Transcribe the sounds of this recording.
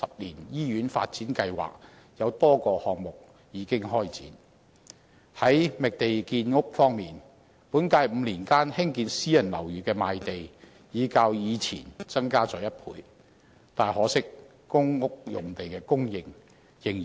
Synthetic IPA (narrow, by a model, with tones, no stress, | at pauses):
sɐ˨p̚liː˨˩njiː˥ɥyː˨˥nfa̰ː˧t̚t͡siː˨˥nkɐ˧jwa̰ː˨k̚ | jɐ˨˧wt̪ɔː˥kɔː˧hɔː˨ŋmʊ˨k̚ | jiː˨˧kɪ˥ŋɦɔː˥jt͡sḭː˨˥n | hɐ˨˥jmɪ˨k̚t̪e˨jkiː˧nŋʊ˥k̚fɔː˥ŋmiː˨˩n | puː˨˥nkaː˧jm̩˨˧˥liː˨˩nkaː˥nhɪ˥ŋkiː˧nsiː˥jɐ˨˩nlɐ̰˨˩wjyː˨kɛː˧maː˧jt̪e˨j | jiː˨˧kaː˧wjiː˨˧t͡sʰḭː˨˩nt͡sɐ˥ŋkaː˥t͡sɔː˨˩jɐ˥t̚pʰṵː˨˧j | t̪aː˨˩jhɔː˨˥sɪ˥k̚ː | ʊ˥ŋŋʊ˥k̚jʊ̰˨˩ŋt̪e˨jkɛː˧kʊ˥ŋjɪ˧ŋ | jɪ˨˧ŋ˨